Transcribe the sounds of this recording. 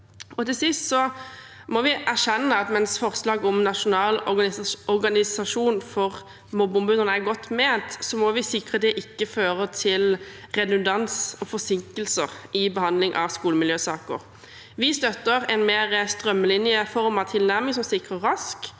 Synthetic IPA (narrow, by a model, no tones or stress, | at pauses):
ɔt̪ɪlsɪst̪sɔ | mɔʋɪʔæʁʃɛnːəɑt̪mɛnsfɔʁslɑːɡɔmnɑʂʊnɑːlɔɔɾɡɑnɪsɑʂuːnfɔʁ | mɔbʊmbʉnəʁnəæɡɔt̪ːmeːnt̪sɔmɔʋɪsɪkʁəd̪ɛʔɪkːəføːɾət̪ʰɪlʁɛd̪ʉnd̪ɑnsɔfɔsɪŋkəlsəʁɪbəhɑnd̪lɪŋʔɑ̰ʋskuːləmɪljøːsɑːkə̰ɾ | ʋɪst̪œt̪ːəɾɛnmeːʁəst̪ʁœmːəlɪnjəfɔɾmɑʋt̪ʰɪlnæɾmɪŋsɔmsɪkʁəːɑsk